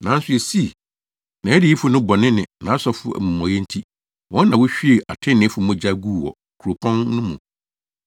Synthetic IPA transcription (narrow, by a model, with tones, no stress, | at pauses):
nã˨˦n̩˦sʊ˦e˨si˦˨ | nã˨ɛ˦dɪ˨˦i˦fʊ˨˦nʊ̃˦bɔ˨nɪ̃˦nɪ̃˨nã˨˦sɔ˦fʊ˦æ̰˨mũ˨mɔ̃˨jɛ˦n̩˦tʰi˦ | wʔɔ̃˦nː˦ã˨wʊ˦ɕᶣi˦e˨ʔa˨tʰɪ̃˦nːɪ̃˨˦fʊ˨mʊ̃˦d͡ʑa˦ɡu˦˨wɔ̰˨ | kʰu˨ɾo˨pʰɔ̃˦nːʊ̃˦mũ˨